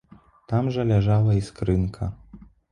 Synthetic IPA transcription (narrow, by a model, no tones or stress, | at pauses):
t̪amʐɐlʲaʐalˠɐiskɾɨnkʰɐ